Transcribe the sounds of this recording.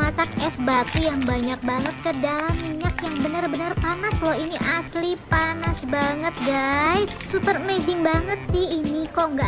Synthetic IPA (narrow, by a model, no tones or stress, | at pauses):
masak̚ɛsbat̪ujaŋbaɲak̚baŋət̪̚kədalamːiɲakjaŋbənərbənərpanaslɔɦiniʔaslipanasbaŋət̪̚ɡaɪt̪supərmed͡ʒɪŋbaŋət̪̚sɪhinikoŋɡa